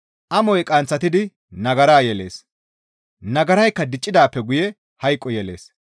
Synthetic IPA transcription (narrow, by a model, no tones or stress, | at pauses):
ʔɐmɔjkʼɐnt͡sːɐt̪ɪd̪ɪ | nɐɡɐɾaːjɛle̞̰ːs | nɐɡɐɾɐjkːɐd̪ɪt͡ʃʼːɪd̪aːpːɛɡʊjɛ | hɐjkʼːɔjɛle̞̰ːs